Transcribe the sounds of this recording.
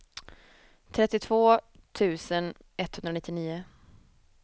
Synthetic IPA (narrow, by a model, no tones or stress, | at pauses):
t̪ʰɾɛt̪ːɪt̪ʰvoːt̪ʰʉ̟ːsən | ɛt̪hɵnd̪ɾanɪt̪ːɪniːʊ